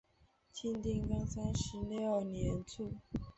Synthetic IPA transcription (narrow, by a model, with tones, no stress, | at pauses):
t͡ɕʰi˥˧nt̪i˥˩ŋkɑ˥ŋsa˥nʂɻ̩˧˥˦ljo˥˩njɛ˨˧˥nt͡sʰu˥˩